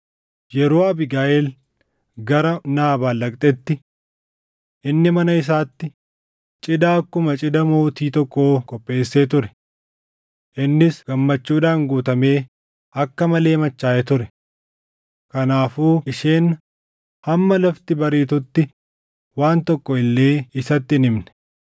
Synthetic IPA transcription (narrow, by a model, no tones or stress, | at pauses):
jɛɾo̞ːɐbɪɡaːʔɛl | ɡɐɾɐnaːbaːlːɐkʼt̪ʼɛt̪ːɪ | ʔɪnːɪmɐnɐɪs̬aːt̪ːɪ | t͡ʃʼɪd̪aːkːʊmɐt͡ʃʼɪd̪ɐmo̞ːt̪iːt̪ɔkːo̞ːkʼɔpʼːe̞ːsːe̞ːt̪ʊɾɛ̥ | ʔɪnːɪsɡ̥ɐmːɐt͡ʃːuːᶑaːŋɡuːt̪ɐme̞ː | ɐkːɐmɐle̞ːmɐt͡ʃːaːʔɛt̪ʊɾɛ | kɐnaːfuːɪʃe̞ːn | hɐmːɐlɐft̪ɪbɐɾiːt̪ʊt̪ːɪ | waːnt̪ɔkːɔɪlːe̞ːɪsɐt̪ːɪɪnɪmnɛ̥